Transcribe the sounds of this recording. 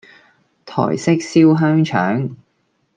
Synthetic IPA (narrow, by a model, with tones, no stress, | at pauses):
t̪ʰɔ̰ː˨˩jsɪ˥k̚siː˥wɦœː˥ŋt͡ʃʰœ̰ː˨˥ŋ